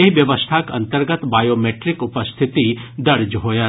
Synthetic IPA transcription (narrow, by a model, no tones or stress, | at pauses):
eɦiʋjɐʋəst̪ʰakɐ̰̃nt̪əɾɡət̪baːjoːmeːʈɾɪkʊpəst̪ʰɪt̪id̪ɐɾd͡ʒɦoːja